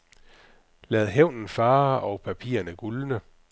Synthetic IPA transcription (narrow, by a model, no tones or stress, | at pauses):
lɛːð̞̩ˠɦeʊ̰nn̩fɑ̈ːʔɒʊpʰæpʰḭːɐnəɡ̥ulnə